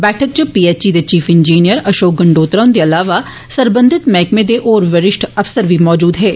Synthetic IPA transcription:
bɛːʈʰək̚d͡ʒopiːeːt͡ʃid̪et͡ʃiːfɪ̃ɲd͡ʒiːnijəɾɐʃoːk̚ɡɐ̃ɳɖoːt̪ɾaːʊ̃nd̪eɐlaːʋa | sɐɾbə̃nd̪ʱɪt̪mɛ̃ːkmẽd̪eʔoːɾʋɐɾɪʃʈʰɐfsəɾbʱimɔːd͡ʒuːd̪ɦɛː

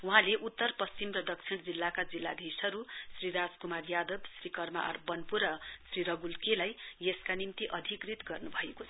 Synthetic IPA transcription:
uɦãleʔut̪ːʌrpʌst͡simrʌdʌkt͡sʰiɽ̃d͡zilːakad͡zilːad̪esʌɾussriɾad͡zkumarjad̪ʌbsrikʌrma̰ʔʌ̰rbʌnpuɾʌsriɾʌɡulkelajjeskanimt̪iʔʌd̪ʱikrit̪ɡʌrnubʱʌekot͡sʰʌ

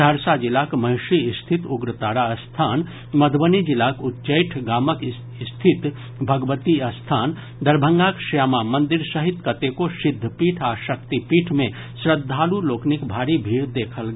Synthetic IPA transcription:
d̪ʱəɾsad͡ʒilakməɦɪʃiːst̪ʰit̪uɡɾət̪aːɽaəst̪ʰaːn | məd̪ʱbənid͡ʒilakutːt͡ʃəjʈʰɡaːmək | st̪ʰit̪ | bʱəɡʋət̪iɐst̪ʰaːn | d̪əɾbʱəŋɡakʃamamə̃nd̪iɾsəɦit̪kət̪ekosɪd̪ʱːəpiːʈʰaʃəkt̪ipiːʈʰmẽ | sɾəd̪ʱːaːluloːknikbʱaːɾibʱiːɽd̪eːkʰəlɡ

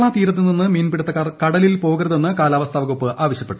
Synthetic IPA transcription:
ɭaːt̪iːɾɐt̪ːininːɨmiːnpiɽɐt̪ːɐkːarkɐɽɐlilpo̞ːɣɐɾɐðenːɨkaːlaːʋɐst̪ʰaːʋɐɣopːɨʔaːʋɐɕjɐpːe̞ʈːu

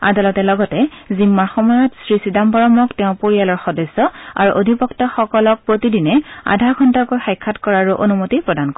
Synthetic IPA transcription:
a̰dalɔtɛlɔɡɔtɛzimːaɹxɔmɔjɔtsɹisidambɔɹɔmɔktɛʊ̃poɹijalɔɹxɔdɔsːɔa̰ɹuʔodʱipɔktɔxɔkɔlɔk̚pɹotidinɛa̰dʱaɹɡʰʱɔntakojxajkʰːatkɔɹaɹuʔonumotipɹɔdank

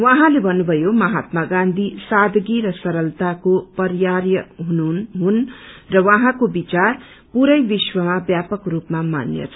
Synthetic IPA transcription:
wãɦãlebʱʌnːubʱʌjomʌɦat̪maɡãnd̪ʱisad̪ʱɡiɾʌsʌɾʌlt̪akopʌɾjarjʌɦunuɦunrʌwʌ̃ɦãkobit͡sar | puɾʌjbiswʌmabjapʌkrupmamanjʌ̰t͡sʰʌ̥

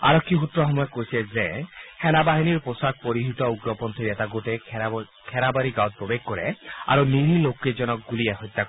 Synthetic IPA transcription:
a̰ɾɔkʰːiɦut̪ɾɔɦɔmɔjɔkojsezehɛnabaɦiniɾposak̚poɾiɦit̪ɔuɡɾɔpɔnt̪ʰiɾet̪aɡoʈe | kʰɛɾabaɾiɡawt̪̚pɾɔbeɡ̚kːɔɾḛa̰ɾuniɾilokːed͡ʒɔnɔk̚ɡulieɦɔjt̪ːak

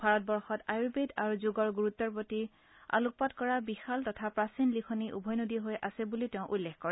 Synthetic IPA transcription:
bʱaɹɔt̚bɔɹxɔtajuɹbedaɹuzoɡɔɹɡuɹut̪ːɔɹpoti | a̰luk̚patkɔɹabixaltɔtʰapɹasinlikʰɔniʔṵbʱɔjnodiɦojʔasɛbuliteʊ̃ʔulːexkɔɹɛ

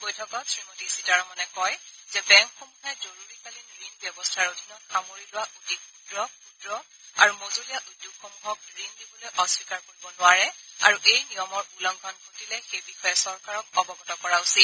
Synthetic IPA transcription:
bojtʰɔkɔtʰɹimotisitaɹmɔnɛkɔjzɛbɛŋxomuxajzoɹuɹikalindɹinbjɔbɔstʰaɹodʱinɔtxamoɹilʊwaʔudʱik̚pudɹɔpudɹɔ | a̰ɹumozolijaʔudjokxɔmuxɔk̚dɹindibɔlojʔɔswikaɹkoɹibɔnʊwaɹɛa̰ɹuʔejnijɔmɔɹulɔŋɡʱɔnkotilɛxejbixɔjɛsɔɹkaɹɔk̚ɔbɔɡɔtɔkɔɹausit

